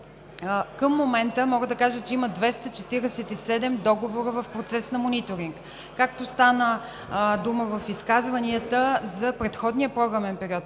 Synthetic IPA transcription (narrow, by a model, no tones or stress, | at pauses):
kəmːomɛnt̪əmɔɡəd̪ɐkaʒət͡ʃɛimɐd̪vɛst̪ət͡ʃɛt̪iɾɛsɛt̪isɛd̪ɛmd̪ɔɡovoɾəvɐfpɾot̪sɛsnɐmonit̪oɾiŋk | kːak̚t̪ost̪anə | d̪uməvɐfiskazvɐniət̪əzɐpɾɛt̪xɔd̪niəpɾɔɡɾəmɛnpɛɾiɔt̪